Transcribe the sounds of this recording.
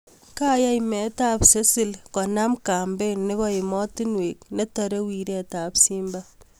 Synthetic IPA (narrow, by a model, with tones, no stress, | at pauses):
ka˦ja˦jmɛ˨ta˦pse˦sɪ˦lkɔ˨na˦mka˨mbe˦ne˦kɔ˦ɪ˨mɔ˦ti˦nwe˨kne˦tɔɾe˦wi˨ɾɛ˦ta˨psi˦mba